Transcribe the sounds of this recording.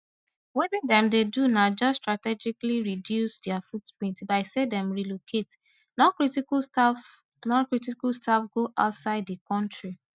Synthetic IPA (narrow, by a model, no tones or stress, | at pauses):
wedĩndɛ̃mdedunad͡ʒɔstɹatɛd͡ʒikliɹidjusdɛafutpɹĩntbaɪsedɛ̃mɹilokʰet | nɔ̃kɹiti | nɔ̃nkɹitikalstafɡoʔaʊtsaɪddikɔ̃ntɹi